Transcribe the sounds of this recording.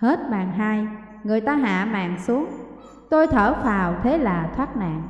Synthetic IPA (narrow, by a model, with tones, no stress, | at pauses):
he˦˥t̚ɓaː˨˩ŋɦaː˧j | ŋɨ˨˩əjt̪aː˧ɦa̰ː˧˨ma̰ː˧˨ŋsu˨˦əŋ | t̪o˧jt̪ʰəː˧˩faː˨˩wt̪ʰe˨˦laː˨˩t̪ʰwaː˦˥t̚na̰ː˧˨ŋ